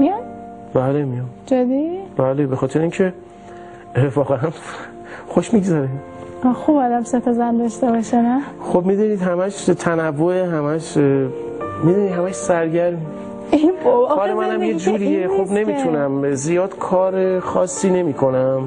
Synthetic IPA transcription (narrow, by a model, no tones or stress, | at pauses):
mijɒn | bælemijɒmd͡ʒɑd̪ib̥ælebexɒːt̪ʰeɾeiŋcʰe | vɒːɣeæn | xoʃmiɡzæɾe | ɒxubad̪æmset̪ʰezænd̪ɒʃt̪ebɒʃenæxobmid̪uniːd̪hæmæʃt̪ʰænævːoeɦæmæʃ | mid̪unid̪hæmæʃsæɾɟæɾmi | ibhɒlemænæmjed͡ʒuːɾiexobne̞miːt̪ʰunæmzijɒːd̪̥kʰɒːɾexɒːsːiːne̞miːkʰo̞næm